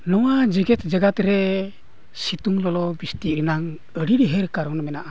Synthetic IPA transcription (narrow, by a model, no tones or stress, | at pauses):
nɔwad͡ʒiɡɛt̪̚d͡ʒaɡat̪ɾɛ | sit̪uŋlɔlɔbist̪iɾinaŋ | əɽiɾiɦeɾkaɾɔnmɛnaʔa